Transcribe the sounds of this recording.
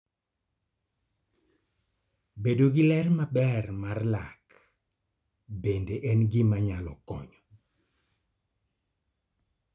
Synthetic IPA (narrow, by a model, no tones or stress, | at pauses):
bedoɡɪlɛrmabɛrmarlak | bendeʔɛnɡimaɲalɔ̰kɔ̰ɲɔ